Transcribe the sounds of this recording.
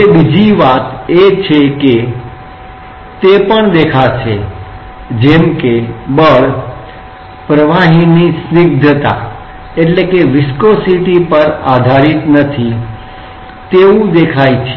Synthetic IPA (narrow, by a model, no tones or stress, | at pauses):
ebid͡ʒiʋat̪et͡ʃʰeke | t̪epəɳd̪ekʰat͡ʃʰe | d͡ʒemkebəɭ | pɾəʋaɦinisnɪɡ̚d̪ʱət̪a̰ | eʈlekeʋɪskosiʈipəɾad̪ʱaɾit̪nət̪ʰi | t̪eũd̪ekʰait͡ʃʰe